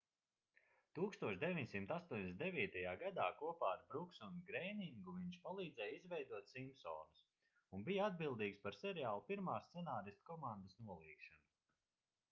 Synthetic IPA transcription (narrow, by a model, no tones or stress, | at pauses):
t̪uːkst̪uɔʃd̪evʲiɲsimt̪ast̪uɔɲʲest̪d̪eviːt̪ajaːɡad̪aːkuɔpaːaɾbɾuksɔnɡɾɛjniŋɡuviɲʃpalˠiːd̪zɛjizvɛjd̪uɔt̪simpsɔːnus | unbijad̪̚bilˠd̪iːkspaɾsɛɾiaːlˠupiɾmaːst̪sɛnaːɾist̪kɔmand̪asnuɔlˠiːkʃanu